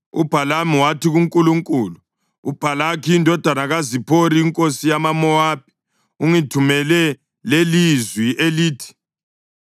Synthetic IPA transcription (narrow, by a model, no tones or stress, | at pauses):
ṵb̥ʱalamiwatʰiɣuŋkʼuluŋkʼulu | ub̥ʱalakʰiːndʱɔd̥ʱanaɣazipʰoɾiːŋkʼosijamamɔwaːp̚i̥ | uŋitʰumɛlɛ | lelizwiʔeliːtʰi̥